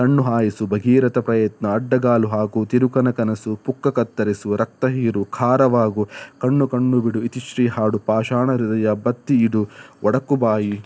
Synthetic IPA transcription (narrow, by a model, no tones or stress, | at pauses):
kɐɳːuɦaːjisubʱɐɡiːɾɐt̪ɐpɾɐjɐt̪nɐːɖːɐɡaːluɦaːkut̪iɾukɐnɐkɐnɐsupukːɐkɐt̪ːɐɾisuɾɐk̚t̪ɐɦiːɾukʰaːɾɐʋaːɡukɐɳːukɐɳːubiɽuit̪iʃɾiːɦaːɽupaːʃaːɳɐɾid̪ɐjɐbɐt̪ːiːɽuʔɔɽɐkubaːji